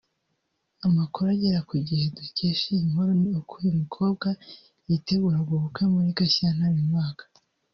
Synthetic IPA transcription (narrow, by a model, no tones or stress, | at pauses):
amakoɾaɟeɾakuɟiheduceːʃiimhoɾoniokʰujimikʰo̞ːb̚ɡa | jite̞ɡuːɾaɾɡoβukwemuɾikasanaɾimŋaːkḁ